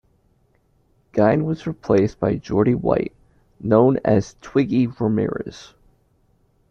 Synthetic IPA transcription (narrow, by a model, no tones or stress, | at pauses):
ɡ̥ãɪ̃nwʌzɹipʰl̥eɪsb̥aɪd͡ʒɔɹɾiwa̰ɪt̚ | nõʊ̃nɨ̰z̥tʰw̥ɪɡiɹəmɪ̰ɹɨ̰z̥